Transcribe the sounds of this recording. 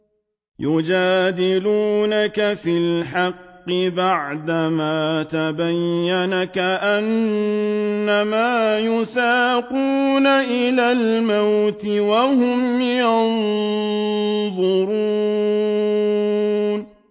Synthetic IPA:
jʊd͡ʒaːd̪ɪluːnakafɪlħɑqːɪbaʕd̪amaːt̪abajːanakaʔanː | amaːjʊsaːquːnaʔɪlaːlmawt̪ɪwahʊmjɑn | ðˤʊɾu | n

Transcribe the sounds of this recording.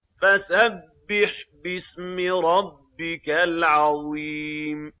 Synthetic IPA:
fasabːɪħbɪsmɪɾˤɑbːɪkalʕɑðiːm

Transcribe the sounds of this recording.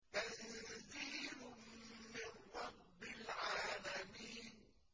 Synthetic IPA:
ʔaðziːɾʊː | ɪnɾɑbːɪlʕaːlamiːn

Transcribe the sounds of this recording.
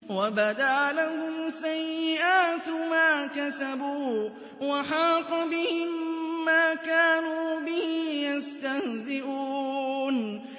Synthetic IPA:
wabad̪aʔalahʊmsajːɪʔaːt̪maːkasabuː | waħɑːt̪ɑbɪhɪmːaːkaːnuːbɪhɪjast̪ahzɪʔuːn

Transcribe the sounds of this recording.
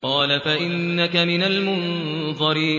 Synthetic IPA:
qɑːlafaʔɪnːakamɪnalmʊnðˤɑɾi

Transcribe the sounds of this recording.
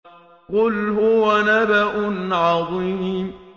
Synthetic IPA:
qʊlɦʊwanabaʔʊnʕɑðˤim

